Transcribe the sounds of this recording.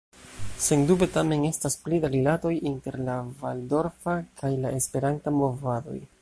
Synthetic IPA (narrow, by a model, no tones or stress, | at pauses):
se̞ndube̞tame̞ne̞stasplidaɾilato̞jinte̞ɾlavaldo̞ɾfakʰajlaʔe̞spe̞ɾantamo̞vado̞̰j